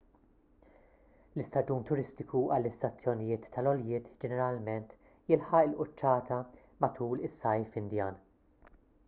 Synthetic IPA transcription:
lɪst̪ɐd͡ʒuːnt̪ʊɾɪst̪ɪkuʔɐlːɪst̪ɐt͡sːjɔnɪjɪːt̪ʰːɐlɔljɪːt̪d͡ʒɛnɛɾɐlmɛnt̪ | jɪlħɐʔɪlʔʊt͡ʃːɐːt̪ɐ | mɐt̪ʰuːlɪsːɐjfɪnd̪jɐːn

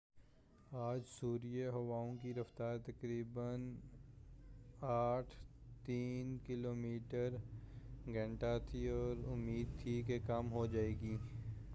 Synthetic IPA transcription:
aːd͡ʒsuːɾijeɦɐʋaːõkiɾɐft̪aːɾt̪ɐkɾiːbən | aːʈʰt̪iːnkɪloːmiːʈəɾ | ɡɐ̃ɳʈat̪ʰiɔːɾʊmːiːd̪̚t̪ʰikekɐmɦod͡ʒaːeːɡiː

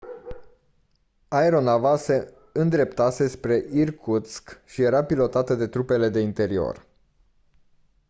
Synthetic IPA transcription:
aeɾo̞navase̞ | ɨnd̪ɾe̞pt̪ase̞spɾe̞ʔirkʰut̪skʃije̞ɾapilo̞t̪at̪əd̪e̞t̪ɾupe̞le̞d̪e̞int̪e̞ɾio̰r

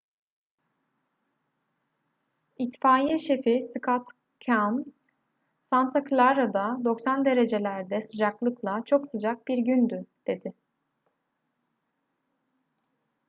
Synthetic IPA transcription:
it̪faːjɛʃefisɯkʰat̪ | cʰams | sant̪ʰakʰlʲˠaɾad̪ad̪o̞ksand̪e̞ɾe̞d͡ʒe̞lʲæɾd̪ɛsɯd͡ʒaklˠɯklˠat͡ʃʰo̞ksɯd͡ʒak̚biɾɟynd̪yd̪̥e̞d̪ɪ

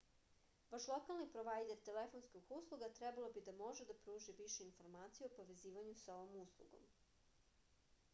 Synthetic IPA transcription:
baʃlˠo̞kalˠnipɾoʋajd̪eɾt̪elefo̞nskoɡuslˠuɡat̪ɾɛbalˠobid̪amo̞ʒed̪apɾuːʒiʋiʃeinfo̞ɾmaːt̪sijeopo̞ʋe̞ziːʋaɲusao̞ʋomuslˠṵɡo̞̰m

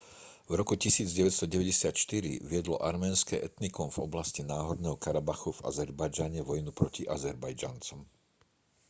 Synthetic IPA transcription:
vɾɔkucisiːd͡zɟɛʋɛt̪st̪ɔɟɛʋɛɟɛsɪat̪ʃt̪iɾḭʋɪɛd̪lɔ̰ʔaɾmɛːnskɛːʔɛt̪nikɔmvɔblascinaːɦɔd̪nɛːɦɔkaɾabaxuva̰zɛɾbajd͡ʒaɲɛʋɔjnupɾɔciʔazɛɾbajd͡ʒant͡sɔm

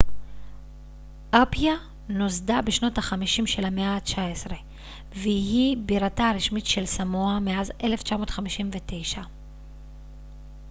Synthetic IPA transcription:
ʔapja | nozdabeʃno̞taχamiʃimʃe̞lameaːt͡ʃaesʁe̞ | veɦibiʁataʁiʃmitʃe̞lsamoameazʔe̞le̞ft͡ʃamo̞tχamiʃimve̞te̞jʃa

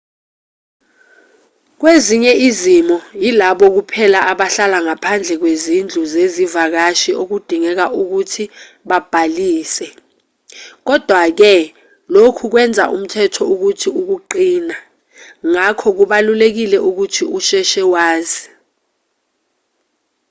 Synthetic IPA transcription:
k̬weziɲɛizimɔjilaɓɔk̬upʰɛlaʔaɓaɬalaŋapʰand͡ɮʱɛk̬wezind͡ɮʱuzezivak̬aʃiok̬ud̥ʱiŋɛk̬aʔuk̬utʰi | ɓab̥ʱaliːsɛ | k̬ɔd̥ʱwak̬ɛ | lokʰuk̬wɛnd͡zʱa̰ʔṵm̩tʰɛtʰɔuk̬utʰiuk̬uǃiːna | ŋakʰɔk̬uɓalulek̬ilɛʔuk̬utʰiuʃɛʃɛwaːzi

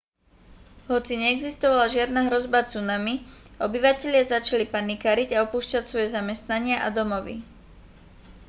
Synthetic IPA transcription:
ɦɔt͡siɲɛːɡzist̪ɔʋalaʒɪad̪naɦɾɔzbat͡sunamiʔɔbiʋacɛʎɪazat͡ʃalipanikaɾiɟaɔpuːʃcacsʋɔjɛzamɛst̪naɲɪaʔa̰d̪ɔmɔʋḭ

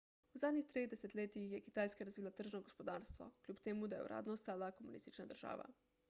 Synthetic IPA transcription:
uzaːd̪ɲixt̪ɾeːd̪eset̪ʎʲeːt̪iixjekit̪aːjskaɾazʋiːlˠat̪r̩ʒnoɡospod̪aːɾst̪ʋo̰kʎʲuːpt̪eːmud̪ajḛṵɾʔa̰ːd̪nost̪aːlakomunḭst̪it͡ʃnad̪rʒ̥a̰ːʋa̰

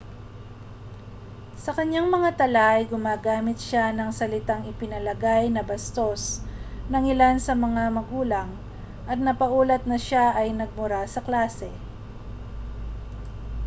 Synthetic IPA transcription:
sɐkɐɲaŋmɐŋat̪ɐlaʔjɡʊmaːɡaːmɪt̪̚ʃanɐŋsɐlɪt̪aŋɪpɪnɐlɐɡajnɐbɐst̪o̞snɐŋɪlansɐmɐŋamɐɡuːlɐŋ | ʔɐt̪̚nɐpɐʔuːlɐt̪̚nɐʃaʔɐjnɐɡ̚mʊɾasɐklaːsɛ

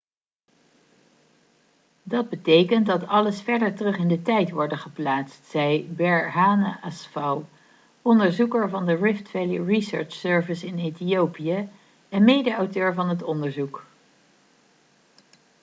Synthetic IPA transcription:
dɑd̚bətejkənt̚dɑtɑləsfɛɹdəɹtərɵχɪndətɛjtʋɔɹdəχəplaːtstsɛjbɛɹɦaːnaʔasfaw | ɔndəɹzukəɹvɑndəɹɪftfɛliɹisø̰ɹt͡ʃsøɹvɪsɪnetiowpija | ɛnmejdəɑwtøːɹvɑnɦətɔndəɹzuk

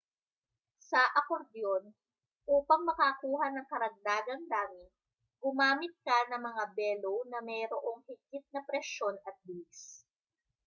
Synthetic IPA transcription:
sɐʔɐkoɾd̪jon | ʔuːpɐŋmɐkakuːɦɐnɐŋkɐɾɐɡ̚d̪aːɡɐŋd̪aːmɪ | ɡʊmaːmɪt̪̚kanɐŋmɐŋabɛːlownɐmɛɾoʔo̞ŋhɪɡɪt̪̚nɐpɾɛʃjo̞nɐt̪̚bɪlis

